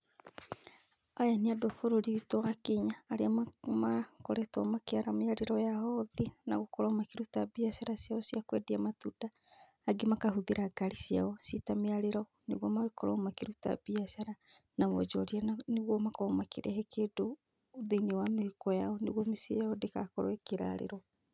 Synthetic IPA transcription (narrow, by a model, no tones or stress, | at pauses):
ajaniadɔfoɾoɾiitɔɣakiɲaːɾeamamakɔɾɛtwamakeaɾameaɾeɾɔjaɔðina̰ɣokɔɾɔmakiɾutabiasaɾasjaɔsiakwɛdiamatudaː | ɡemakahuðiɾaɡaɾisia̰ɔsitameaɾeɾɔ | neɣwɔmawekɔɾɔmakeɾuta̰biasaɾanamɔd͡ʒɔɾianneɣwɔmakɔmakeɾɛhɛkeːdoː | ðeinewamehekɔjaɔneɣwɔmesḭjaɔdekakɔɾwɛkeɾa̰ɾḛɾɔ